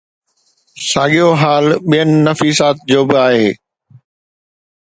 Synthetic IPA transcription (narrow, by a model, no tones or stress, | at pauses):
saːɠijoɦaːlɓijənɪ̆nɐfiːsaːt̪̚d͡ʑoːbɪaːɦeː